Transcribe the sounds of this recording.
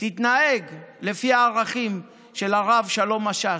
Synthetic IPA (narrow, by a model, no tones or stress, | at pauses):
t̪it̪nae̞ɡle̞fiaːʁaχim | ʃe̞laʁavʃalo̞maʃa